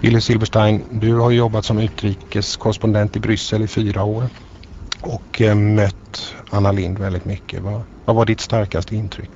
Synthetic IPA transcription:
ɪ̰lːəsɪlvəʂʈajnd̪ɵhaɾjɵjɔbːat̪sɔmʉ̟ːt̪ɾiːkəskʰɔɾəspɔnd̪ɛnt̪ɪbɾʏsːəlɪfyːɾaoːɾ | ɔkmœt̪anːalɪnd̪vɛld̪ɪt̪mʏkʰːə̰va | vavaɖɪt̪st̪aɾkast̪əɪnt̪ʰɾʏ̰kː

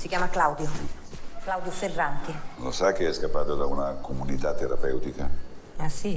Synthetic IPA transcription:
sikjaːmaklawd̪jo | klawd̪joserːant̪ino̰sak̟eɛskapːad̪ad̪aunakʰumunit̪at̪ːeɾapɛwt̪ikaasi

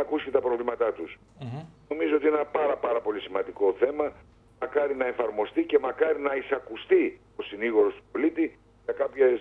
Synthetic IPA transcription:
ɐkusi̥et̪ɐpɾo̞vlimɐt̪ɐt̪us | o̞mizoo̞t̪inenɐpɐɾɐpɐɾɐpo̞lisimɐnd̪iko̞θe̞mɐ | mɐkɐɾinɐe̞fɐɾmo̞st̪ice̞mɐkɐɾinɐisɐkust̪i | o̞siniɣo̞ɾo̞st̪u̥po̞lit̪i | ʝɐkɐpçes

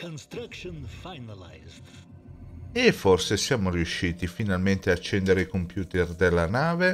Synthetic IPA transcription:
kʰɔ̃nstɾakʃɔ̃nfajnalaɪzd | efːɔrsesjaːmoriuʃːiːt̪ifinalment̪eaːt͡ʃːɛnd̪eɾeikompjuːt̪erd̪elːanaːve

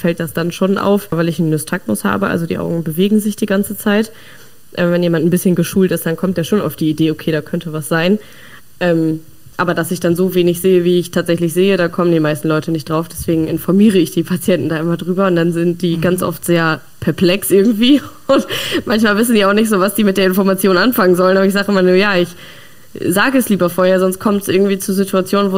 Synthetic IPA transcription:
fɛlt̚d̥asd̥anʃoːnʔa̰ʊfvaɪlɪçn̩ːʏstʰak̚mʊ̰sha̰ːbəʔa̰lzodiːʔa̰ʊɡŋ̩bəveːɡŋ̩zɪçd̥iːɡant͡sət͡saɪt | ʔɛːvɛnjeːmant̚n̩bɪsçənɡəʃuːltɪstd̥ankʰɔmtd̥eːɐʃoːna̰ʊfd̥iːideːokʰeːɾaːkʰœntʰəvasz̥aɪn | ʔɛːm | ʔaːbɐdasɪçd̥anzoːveːnɪçz̥eːəviːɪçtʰaːtz̥ɛçlɪç̬z̥eːədaːkʰɔməndiːmaɪstn̩lɔʏtənɪçtd̥ʁaʊfd̥ɛsv̥eːɡŋ̩ɪnfɔɐmiːʁ̞əɪçd̥iːpʰat͡sjɛntn̩daːʔɪmɐdʁyːbɐʊntd̥anzɪnt̚d̥iːɡansʔɔ̰ftz̥eːɐ | pʰɛɐpʰl̥ɛksʔɪɐɡŋ̩tv̥iːʊntmançmaːlvɪsn̩diːaʊxnɪçtz̥oːvasd̥iːmɪt̚d̥eːɐɪnfɔɐmat͡sjoːnanfaŋənzɔlənaːbɐɪç̬zaːɡəɪmalnuːɐjaːɪç | zaːɡəɛsliːbɐfoːɐheːɐzɔnst̚kʰɔmtsʔɪɐɡŋ̩tv̥iːt͡suːzɪtʰuat͡sjoːnənvoː

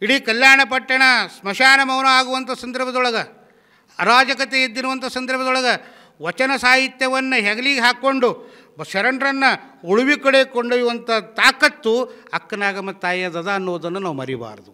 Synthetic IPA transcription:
iɽiːkɐljaːɳɐpɐʈːɐɳɐsmɐʃaːnɐmɐʋɐnɐaːɡuʋɐnt̪ʰɐsɐnd̪ɐɾbʱɐd̪ɔɭɐɡɐː | ɾaːd͡ʒɐkɐt̪eid̪ːinuʋɐnt̪ʰɐsɐnd̪ɐɾbʱɐd̪ɔɭɐɡɐ | ʋɐt͡ʃɐnɐsaːɦit̪jɐʋɐnːɐɦɛɡɐliɡeɦaːkːoɳɖu | ʃɐɾɐɳɖɾɐnːɐuɭuʋikɐɽekoɳɖɐjuʋɐnt̪ʰɐt̪aːkɐt̪ːuɐkːɐnaːɡɐmɐt̪ːaːjɐd̪ɐd̪ɐːnːuʋɐd̪ɐnːunaːʋumɐ̰ɾiba̰ːɾɐd̪u

